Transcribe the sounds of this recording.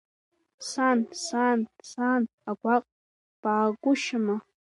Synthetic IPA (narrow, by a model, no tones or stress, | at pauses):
sansansan | aɡʷaqʼ | paːɡʷʊʃɪma